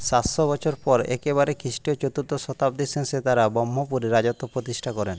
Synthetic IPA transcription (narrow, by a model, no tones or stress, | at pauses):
ʃaʃobɔt͡ɕʰoɾpɔɾḛkeβaɾekɾiʃʈijot͡ɕot̪uɾt̪oʃɔt̪apd̪isʰenset̪aɾabɔmːopuɾeɾad͡ʑot̪ːopɾot̪iʃʈʰakɔɾen